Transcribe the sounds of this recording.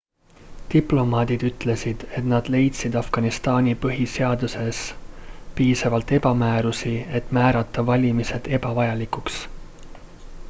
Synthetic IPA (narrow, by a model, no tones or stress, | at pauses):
t̪iplo̞mɑːd̪̥id̪̥yt̪ˑle̞sid̪̥e̞t̪nɑd̪̥le̞jt̪sid̪ɑfɡ̥ɑnist̪ɑːnʲipɤɦise̞ɑd̪̥use̞s | piːsɑvɑlt̪ːe̞bɑmæːɾusie̞t̪ːˑmæːɾɑt̪ːˑɑvɑlʲimise̞d̪̥e̞bɑvɑjɑlikuks